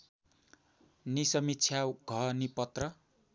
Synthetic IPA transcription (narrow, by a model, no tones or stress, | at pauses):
nisʌmitːt͡sʰjawɡʱʌnipʌt̪rʌ